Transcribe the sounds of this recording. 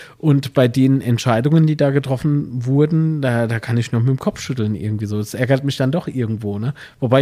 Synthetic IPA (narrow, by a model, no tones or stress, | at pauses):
ʔʊntb̥aɪdeːnənɛntʃaɪdʊŋəndiːdaːɡətʁ̥ɔfn̩vʊɐdn̩d̥aːd̥aːkʰanɪçnumɪtmkʰɔpp͡fʃʏtl̩nʔɪ̰ɐɡŋ̩tv̥iːzoːdasʔɛɐɡɐtmɪçd̥andɔχʔɪɐɡŋ̩tv̥oːnə | vobaɪ